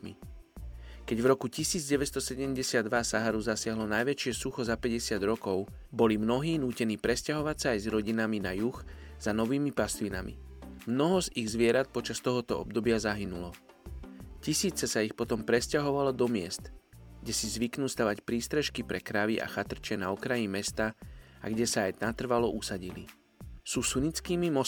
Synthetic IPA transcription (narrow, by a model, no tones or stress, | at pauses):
mḭ | kɛɟvɾɔkucisiːd͡zɟɛʋɛst̪ɔsɛɟɛmɟɛsɪad̪ʋasaɦaɾuzasɪaɦlɔnajʋɛt͡ʃɪɛsuxɔzapɛɟɛsɪad̪ɾɔkɔʊ | bɔlimnɔɦiːnuːcɛniːpɾɛscaɦɔʋacsaːjzɾɔɟinaminajuxz̥anɔʋiːmipast̪lina̰mḭmnɔɦɔziɣzʋɪɛɾat̪̚pɔt͡ʃast̪ɔɦɔt̪ɔɔ̰b̚d̪ɔbɪazaɦinulɔ | cisiːt͡sɛsaixpɔt̪ɔmpɾɛscaɦɔʋalɔd̪ɔmɪɛst̪ɡɟɛsizʋiknuːst̪aʋacpɾiːst̪ɾɛʃkipɾɛkɾaʋiʔa̰xat̪r̩t͡ʃɛnaɔkɾajimɛst̪aa̰ɡɟɛsaajnat̪r̩ʋalɔʔusaɟilḭ | suːsuɲit͡skiːmimɔ